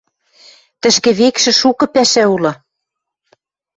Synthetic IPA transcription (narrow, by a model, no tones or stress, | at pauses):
t̪ɘ̆ʃkĕβekʃɘ̆ʃukɤ̆pæʃæulɑ